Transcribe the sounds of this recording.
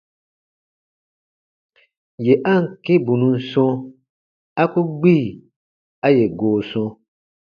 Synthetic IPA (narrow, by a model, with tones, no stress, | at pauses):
je˨ʔa˦ŋ̩˨ke˦bũ˨nũ˨n̩˦sɔ̃˦ | a˦ku˦ɡ͡bi˦˨ | a˦je˨ɡoː˨sɔ̃˧